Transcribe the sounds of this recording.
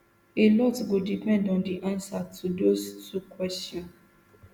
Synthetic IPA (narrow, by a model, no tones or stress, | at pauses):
elɔtɡodipɛ̃ndɔ̃ndiʔãnsatʰudostukwɛstjɔ̃n